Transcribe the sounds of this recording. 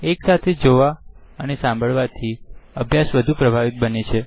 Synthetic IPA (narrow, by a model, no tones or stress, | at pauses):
eksat̪ʰed͡ʒoʋa | ənesãmbʱəɭʋat̪ʰiəbʱjasʋəd̪ʱũpɾəbʱaʋit̪̚bənet͡ʃʰe